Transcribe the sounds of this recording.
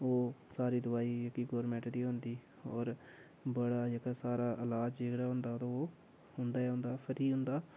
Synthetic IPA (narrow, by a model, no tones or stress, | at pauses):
oːsaːɾiːd̪ʊaːiːəkiːɡɔːɾmɛ̃ɳʈd̪iːɦõːnd̪iː | ɔːɾ | bəɽaːd͡ʒekaːsaːɾaːʔəlaːd͡ʒd͡ʒeːkɽaːɦʊ̃nd̪aːt̪õoː | ɦʊnd̪aːɛɦʊ̃nd̪aːpʰəɾiːɦʊ̃nd̪aː